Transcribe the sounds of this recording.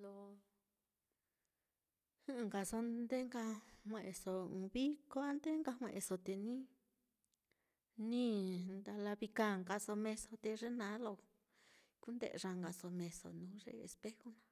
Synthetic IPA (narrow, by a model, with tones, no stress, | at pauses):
lo˧ | ɨ˦˨ŋɡa˨so˧nd̪e˦ŋɡa˧hʷẽ˨˧ʔe˨so˨ũ˨˧βi˦ko˦a˦nd̪e˦ŋɡa˧hʷḛ̃˧ʔe˧so˧t̪e˨nĩ˦ | nĩ˦nd̪a˧la˧βi˧kã˦˨ŋɡa˧so˧mẽ˧so˧t̪e˧ʐe˦nã˨˦lo˧˨ | ku˦nd̪ḛ˦˨˧ʐa˧ŋɡa˨so˧mẽ˧so̰˨nũː˨˦ʐḛ˧˦ḛ˧spe˦xo˦nã˧˦